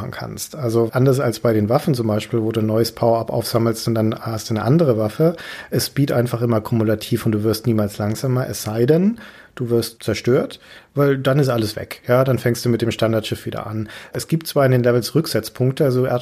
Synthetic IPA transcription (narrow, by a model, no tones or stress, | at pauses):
n̩kʰa̰nstʔalzoʔandɐs̬alsb̥aɪɾeːnvafn̩t͡sʊmbaɪʃpiːlvoːduːnɔʏəspʰaʊapʔa̰ʊfz̥aml̩stʊntd̥anhastd̥uːnəʔandəʁ̞əvafəʔɛsb̥iːtʔaɪnfaχʔɪmɐkʰumulatʰiːfʊntd̥uːvɪɐstniːmaːlslaŋz̥aːmɐʔɛ̰sz̥aɪdɛn | d̥uːvɪɐstt͡sɛɐʃtøːɐtvaɪldanɪs̬tʔaləsv̥ɛ̰kjaːdanfɛŋstd̥uːmɪt̚d̥eːmʃtandaɐtʃɪfv̥iːdɐ̰ʔa̰nʔɛsɡ̥iːp̚tt͡sv̥aːɐɪndeːnlɛvl̩sʁʏkz̥ɪt͡spʰʊŋk̚təalzoʔɛ̰ɐ